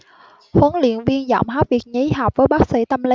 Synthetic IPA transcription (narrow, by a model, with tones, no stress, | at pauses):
xwə˨˦nlḭ˧˨ənvi˧ənzɔ̰˧˨wŋ͡mɦaː˦˥p̚vi˨˩ək̚ɲə˨˦jɦa˨˩wk͡p̚vəː˨˦jɓaː˦˥k̚sḭ˧˥t̪ə˧mli˨˦